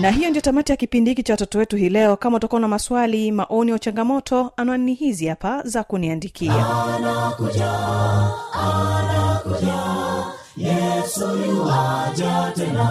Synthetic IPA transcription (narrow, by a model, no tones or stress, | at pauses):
naɦijɔndijɔtamatijakipindihikit͡ʃawatɔtɔwɛtuɦiːlɛɔkamautakuɔnamaswalimaʔɔniaut͡ʃaŋɡamɔtʰɔanaannihiziapazakuniandikʰianakuʄa | anakuʄa | jɛsuwad͡ʒatɛna